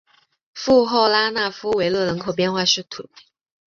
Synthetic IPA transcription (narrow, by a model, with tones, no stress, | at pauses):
fu˥˧xo˥˩ʊla˥na˥˩fu˥we˧˥ɪlɤ˥˩lə˧˥nkʰo˨˩ʊp̬jɛ˥˧nxwa˥˧ʂɻ̩˥˩t̪ʰwə̰˨˩˦n˥